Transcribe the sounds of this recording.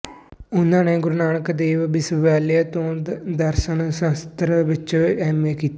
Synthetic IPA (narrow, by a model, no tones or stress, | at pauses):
ʊnãːneːɡʊɾʊnaːɳəkd̪eːʋbɪsʋəʋaːlijət̪õːd̪əɾʃənsə̃st̪ɾəʋɪt͡ʃɛːmeːkiːt̪ːe